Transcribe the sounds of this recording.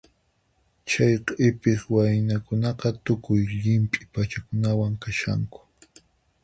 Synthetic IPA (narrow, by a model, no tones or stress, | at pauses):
t͡ʃajqɪpɪswajnakʊnɑqɑt̪ʊkʊjʎɪmpʼɪ̥pat͡ʃakʊnawaŋkaʃa̰ŋkʊ̥